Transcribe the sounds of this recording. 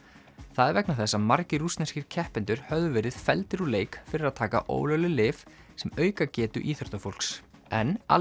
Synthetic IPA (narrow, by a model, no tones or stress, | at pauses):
θaðɛvɛknaθɛsːamaɾcɪrust̪nɛsciɾ̥cʰɛhpɪnt̪ʏɾ̥hœvðʏvɛːɾɪð̥fɛlt̪ɪɾɔleːjkfɪɾɪɾaðt̪ʰaːka̰ʔo̰ːwlœwlɪlɪːf | sɛmœːɥkacɛːt̪ʏ̰ʔiːθœɾ̥t̪afowl̥ksɛna̰